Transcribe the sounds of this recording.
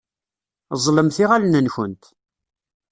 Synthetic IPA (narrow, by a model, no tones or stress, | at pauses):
zˤləmθiʁalnənçənt̪